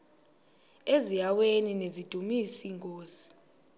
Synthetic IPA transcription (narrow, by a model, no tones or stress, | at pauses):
ezijaweninezid̥ʱumisiŋkʼoːsi̥